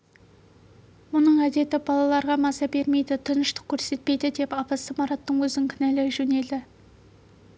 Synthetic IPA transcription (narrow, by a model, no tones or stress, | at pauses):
mʊnəɴæd̪e̞t̪ɪbɑlˠɑlˠɑɾʁɑmɑsɑbe̞ɾme̞jd̪ɪt̪ʰənəʃt̪ə̥qkʲʰɵɾse̞t̪̚pe̞jd̪ɪd̪e̞pɑpɑsəmɑɾɑt̪ːəɴwɵzɪŋkʲʰɪnælɪʒɵne̞ld̪ɪ